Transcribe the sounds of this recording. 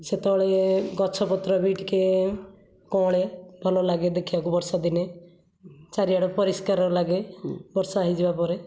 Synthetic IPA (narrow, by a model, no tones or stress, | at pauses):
set̪ɔɭeɡɔt͡ʃʰɔpɔt̪ɾɔbiʈke | kɔ̃ɭebʱɔlɔlaɡed̪ekʰibakubɔɾsad̪ine | t͡ʃaɾiaɽɔpɔɾiskaɾɔɾlaɡebɔɾsaːɦid͡ʒebapɔɾe